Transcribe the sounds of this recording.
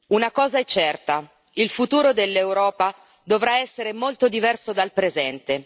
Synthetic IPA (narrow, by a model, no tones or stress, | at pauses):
unakɔːzaɛt͡ʃːɛrt̪a | ilfut̪uːɾod̪elːewɾɔːpa | d̪ovɾaɛsːeɾemolt̪od̪ivɛrsod̪alpɾezɛnt̪e